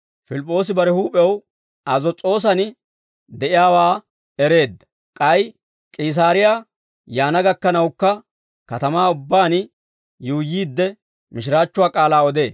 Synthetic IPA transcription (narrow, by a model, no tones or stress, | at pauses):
fɪlɪpʼːo̞ːs̬ɪbɐɾɛhuːpʼɛw | ɐzɔt͡sʼo̞ːs̬ɐn | d̪ɛʔɪjaːwaː | ɛɾe̞ːd̪ːɐ̥ | kʼɐj | kʼɪːs̬aːɾɪja | jaːnɐɡɐkːɐnɐwkːɐ | kɐt̪ɐmaːʊbːaːn | jʊʊjiːd̪ːɛ | mɪʃɪɾaːt͡ʃːʊwaːkʼaːlaːɔd̪e̞ː